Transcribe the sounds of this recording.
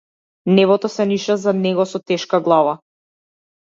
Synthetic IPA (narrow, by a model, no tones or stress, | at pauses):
nɛvɔt̪ɔsɛniʃazad̪nɛɡɔsɔt̪ɛʃkaɡlˠava